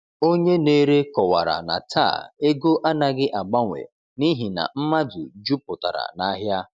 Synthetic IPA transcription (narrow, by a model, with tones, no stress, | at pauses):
o˦ɲe˦ne˦ɾe˦kɔ˨wa˨ɾa̰˨na̰˨tʰa̰ː˦˨e˦ɡo˦ʔa˦na˨ɡɪ˦ʔa˨ɡ͡ba˦ŋʷḛ˨ | ni˦ɦi˨na̰˨m̩˦ma˦dʊ˨d͡ʒu˦pʊ˨ta̰˨ɾa̰˨na˦ɦja˦